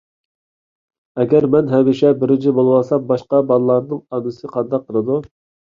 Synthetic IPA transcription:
ɛɡʲɛɾmɛnɦɛwɪʃɛbɪɾɪnt͡ʃʰibolˠɨwɑsɑmbɑʃqɑbɑlˠlˠɑɾnɨŋɑnɨsɨqʰɑnd̪ɑqʰːəɾˠɨd̪u

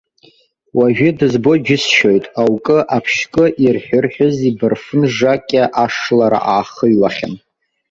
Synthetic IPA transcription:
waʒᶣɪdɨzbo̞d͡ʒɪsʃojtʼawkʼɨʔapʰʃkʼɨʔirħʷᶣʊrħʊzibɨrfɨnʐakʲʼaʔaʂlaɾa̰ʔaːχəɥlaχʲɪ̰n

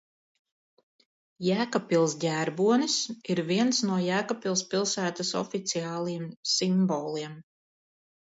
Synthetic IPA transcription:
jæːkapilˠsɟʲæːɾbuɔnisiɾviɛnsnuɔjæːkapilˠspilˠsæːt̪asɔ̰fit̪siaːlˠijɛmsimbɔːlˠiɛm

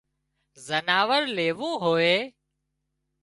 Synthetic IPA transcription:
zənaːʋəɾleːʋũːɦoːeː

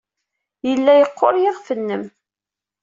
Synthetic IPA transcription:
jəlːæjəqʰːoɾjɪʁfənːəm

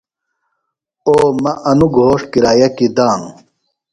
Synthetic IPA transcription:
oːmɐʔɐnuɡʱoːʂkiɾaːjɐkid̪aːnu

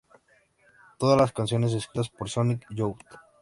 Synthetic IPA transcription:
t̪oðazlaskansjo̞nes̬eskɾit̪aspoɾsonikjowt̪

